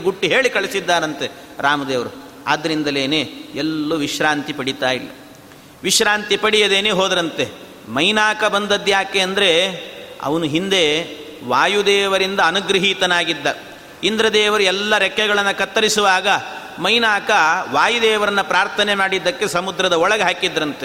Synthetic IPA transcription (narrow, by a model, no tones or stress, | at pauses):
ɡuʈːiɦe̞ːɭikɐɭisid̪ːaːɾɐnt̪e | ɾaːmɐd̪eːʋɐɾu | a̰ːd̪ːɐɾind̪ɐleːneɛlːuʋiʃɾaːnt̪ipɐɽit̪aːjilːɐ̰ | ʋiʃɾaːnt̪ipɐɽijɐd̪eːneːɦoːd̪ɐɾɐnt̪e | mɐjnaːkɐbɐnd̪ɐd̪jaːkeɐnd̪ɐɾe̞ɐ̰ʋɐnuɦind̪e̞ | ʋaːjud̪ɛːʋɐɾind̪ɐːnuɡɾɐɦiːt̪ɐnaːɡid̪ːɐ | ind̪ɾɐd̪ɛːʋɐɾuɛlːɐɾɛkːɛɡɐɭɐnːɐkɐt̪ːɐɾisuʋaːɡɐ | mɐjnaːkɐʋaːjud̪ɛːʋɐɾɐnːɐpɾaːɾt̪ʰɐnemaːɽid̪ːɐkːe̞sɐmud̪ɾɐd̪ɐɔɭɐɡeɦaːkid̪ɾɐnt̪e